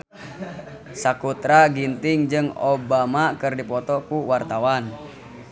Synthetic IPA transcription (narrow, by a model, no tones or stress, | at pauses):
sakut̪ɾaɡint̪ɪŋd͡ʒɨŋobamakɨrdipɔt̪ɔkuwart̪awan